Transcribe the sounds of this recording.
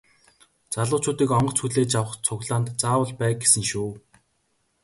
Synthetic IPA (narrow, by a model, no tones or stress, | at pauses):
t͡saɮʊːt͡ɕʊːt̪iːkɔɴɢɞ̆t͡sʰxuɮeːt͡ɕjawə̆χt͡sʰʊɣɮaːnt̪t͡saːwə̆ɮpæːɡesɘ̆ŋʃuː